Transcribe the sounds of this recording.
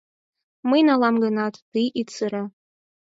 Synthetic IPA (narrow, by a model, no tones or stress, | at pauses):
mɨinalamɡanatʼd̥ɨjʔit͡sʰɨɾa